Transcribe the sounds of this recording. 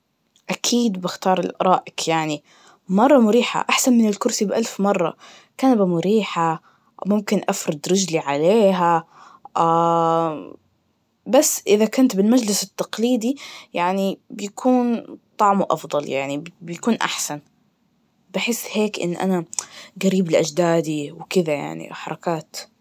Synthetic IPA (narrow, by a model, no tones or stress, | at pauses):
ʔakʰiːd̪bɪxt̪ɑːɾˤɪ̰lʔɑ̰ɾˤɑːʔɪkjaʕni | mɑrˤːɑmʊɾiːħa̰ʔaħsanmɪnɪlkʊɾsibʔalfmɑrˤːɑ̰ | kaːnabamʊɾiːħa | mʊmkɪnʔafɾˤɑd̪ɾɪd͡ʒliʕaleːɦa | ʔa | basːʔɪðakʊnt̪bɪlmad͡ʒlɪsɪt̪ːɑqliːd̪ijaʕnibjakʰuːnt̪ˤɑʕmuʔɑ̰fd̪ˤɑlja̰ʕnibjakuːnʔa̰ħsan | baħɪsːheːkʔɪ̰nːʔa̰naɡaɾiːblɪʔad͡ʒd̪aːd̪iwkɪðaja̰ʕnḭʔħɑɾˤɑkaːt̪